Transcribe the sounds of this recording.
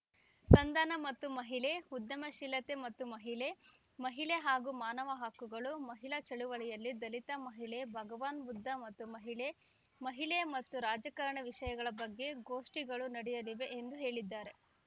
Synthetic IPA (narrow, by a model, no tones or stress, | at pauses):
sɐnd̪ɐnɐmɐt̪ːumɐɦiɭe̞ud̪ːjɐmɐʃilːɐt̪e̞mɐt̪ːumɐɦiɭemɐɦiɭeɦaːɡumaːnɐʋɐɦakːuɡɐɭumɐɦiɭɐt͡ʃɐɭuʋɐɭɛjɐlːid̪ɐlit̪ɐmɐɦiɭebʱɐɡɐʋaːnbud̪ʱːɐmɐt̪ːumɐɦiɭe | mɐɦiɭemɐt̪ːuɾaːd͡ʒɐkɐɾɐɳɐʋiʂɐjɐɡɐɭɐbɐɡːe̞ɡoːʂʈiɡɐɭunɐɽɛjɐliʋe̞ʔːnd̪uɦe̞ːɭid̪ːaːɾe̞